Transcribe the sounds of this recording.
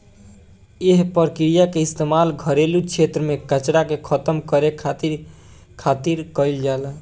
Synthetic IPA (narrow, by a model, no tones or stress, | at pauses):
eɦpəɾkɾijakeɪst̪emalɡʱəɾelukt͡ʃʰet̪ɾəmekət͡ʃɽakekʰət̪əmkəɾekʰat̪iɾ | kʰat̪iɾkəɪld͡ʒal